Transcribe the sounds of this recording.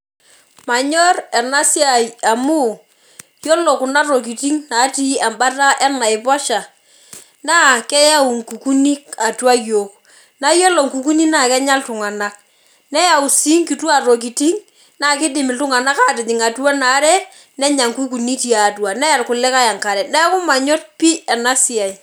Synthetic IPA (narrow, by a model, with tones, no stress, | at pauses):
ma˨ɲɔ˦rɛ˨na˦si˦a˨a˨mu˦˨ | jɔ˦lo˨kʊ˨na˦ro˨k̬i˨ti˦ŋna˨˦ti˦a˨mba˦ta˦ʔɛ˦na˨ɪ˨pɔ˦ʃa˨ | na˦kɛ˦ja˦u˨ŋ˨ku˨ku˦ni˦ka˨twa˦jo˨ | na˦jo˦lo˨ŋku˨ku˦ni˦na˦˨kɛ˦ɲa˦ltʊ˨ŋa˨na˦k̚ | nɛ˦ja˨u˨si˦ŋki˨tu˦a˨ro˨k̬i˨ti˦ŋ | na˦˨kɪ˦dɪ˨mɪ˨ltʊ˦ŋa˨na˦ka˦tɪ˨tɪ˨ŋa˨twa˦na˨˦ɾɛ˦ | nɛ˦ɲa˨ŋku˦k̬u˨ni˦ti˦a˨t̬wa˨nɛ˦ja˨rkʊ˨lɛ˦ka˦ja˨ŋka˨ɾɛ˨nɛ˦kʊ˦ma˨ɲɔ˦t̚pi˦ɛ˨na˦si˨a˨i˨